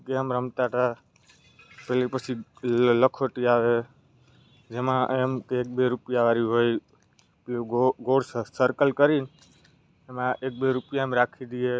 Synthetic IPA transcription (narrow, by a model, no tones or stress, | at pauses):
keəmɾəmt̪aʈ̪a | pɛlipət͡ʃʰiləkʰoʈiaʋe | d͡ʒemãemkeːk̚beɾupjaʋaɾiɦoj | plioɡoɽssəɾkəlkəɾin | emãʔek̚beɾupjamɾakʰid̪ie